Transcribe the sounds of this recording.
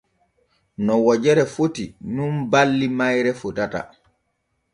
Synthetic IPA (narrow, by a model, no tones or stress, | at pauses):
nɔwɔd͡ʒɛɾɛfotinunbalːimajɾɛfutata̰